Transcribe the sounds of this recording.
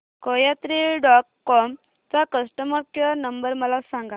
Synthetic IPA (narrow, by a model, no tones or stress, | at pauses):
kəjat̪ɾiɖɔʈ̚kɔm | t͡sakəsʈəməɾkənəmbəɾməlasãŋɡa